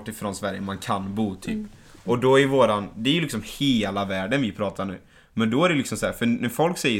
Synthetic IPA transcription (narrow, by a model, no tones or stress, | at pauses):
ʈːɪfɾɔnsvæɾjə̰mankʰanbuːt̪ʰy̰ːpː | ɔd̪ɔævoːɾand̪ɛæɾjʉlɪksɔmheːlavæːɖənvɪpʰɾɑːt̪ʰaɳʉ̟̰ː | mɛnd̪ɔæɾɛlɪksɔmsæːɾfœnæfɔlksɛjːə